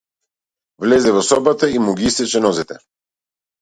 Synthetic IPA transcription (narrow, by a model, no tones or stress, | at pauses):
vlɛzɛvɔsɔbat̪aimuɡiist̪ɛt͡ʃɛnɔzɛt̪ɛ